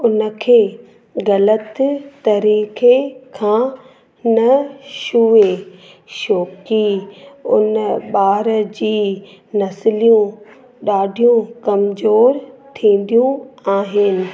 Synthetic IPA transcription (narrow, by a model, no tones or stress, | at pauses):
ʊnə̆kʰeː | ɣɐlət̪t̪ɐɾiːkekʰãː | nɐʃue | ʃoːkiʊ̰nə̆ɓaːɾəd͡ʑiː | nɐsɪlijũ | ɗaːɖʱijũkɐmzoːɾt̪ʰĩːn̆d̪ijũaːɦɪnɪ̆